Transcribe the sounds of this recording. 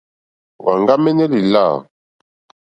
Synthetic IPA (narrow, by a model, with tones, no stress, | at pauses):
wa̰˨ŋɡa˦mɛ˦nɛ˦li˨la̰˦˨